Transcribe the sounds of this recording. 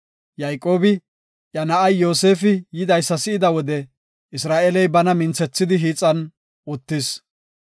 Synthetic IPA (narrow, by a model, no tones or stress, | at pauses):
jɐjkʼːo̞ːbɪ | ʔjɐnɐʔɐjːo̞ːse̞ːfɪjɪd̪ɐjsːɐsɪɪd̪ɐwɔd̪ɛ | ɪsɾaːʔɛlɛjbɐnɐmɪnt͡sɛt͡sːɪd̪ɪɦiːt͡sʼːɐn | ʊt̪ːɪs